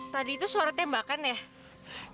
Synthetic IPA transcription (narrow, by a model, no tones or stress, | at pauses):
t̪adiːt̪usuaɾat̪embakanɛh